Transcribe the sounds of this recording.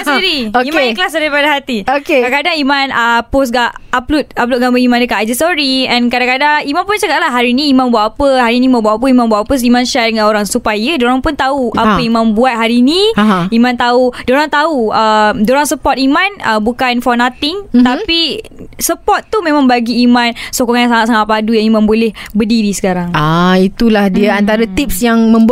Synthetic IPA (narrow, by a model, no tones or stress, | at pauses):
asɾioimaiklas̬daɾipadaɦat̪iokekadakadaŋimãnəpos̬ɡaʔaplut̪̚aplut̪̚ɡabəimãndəkaʔad͡ʒəsɔɾiɛ̃nkadakadaŋimãnpʊnt͡ʃakatʔlaɦaɾiniːmãnbuat̪apəhaɾinĩmãnbuatapəimãnbuat̪pos̬imãnʃadəŋãnoɾaŋsupajədoɾaŋpʊnt̪auʔapəimãnbuat̪̚ɦaɾinĩɦimãnt̪audoɾaŋt̪auədoɾaŋsəpɔt̪̚imãnəbukanfɔnãt̪ɪŋt̪apisəpɔt̪t̪ːumẽmãŋbaɡiːmãnsokɔŋajãŋsaŋat̪saŋaʔ̪̚padujãŋimãnbolɛhbədiɾisə̥kaɾaŋait̪ulahdiaant̪aɾat̪ip̚sjaŋmə̃mb